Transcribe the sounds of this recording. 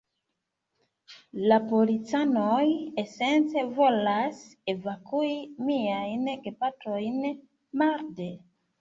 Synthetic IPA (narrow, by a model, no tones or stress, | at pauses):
lapolit͡sanojesent͡se̞vo̞lasevakuimiajnɡepatɾojn | maɾde